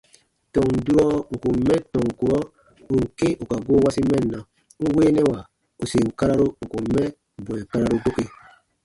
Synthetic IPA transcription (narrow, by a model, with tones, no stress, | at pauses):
tɔ̃˨ŋ˨du˦ɾɔ˦ŋ̩˨ku˨m̩˦mɛ̃˦tɔ̃˨ŋ˨ku˨ɾɔ˦ | u˨ŋ̩˨ke˦ʔu˨ka˨ɡo˦wa˦si˦mɛ̃˦nː˨ã˨ | ŋ̩˦weː˦nɛ̃˦wa˨ | u˨se˨ŋ̩˨ka˦ɾa˦ɾo˦ŋ̩˨ku˨m̩˦mɛ̃˦ | bu˨ɛ̃˨ka˦ɾa˦ɾo˦do˦ke˦